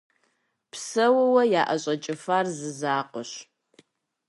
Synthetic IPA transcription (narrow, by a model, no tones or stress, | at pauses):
pʰsɐwɐwɐjaːʔɐɕʼɐt͡ʃʼɪfaːrzɨzaːqʼʊɕ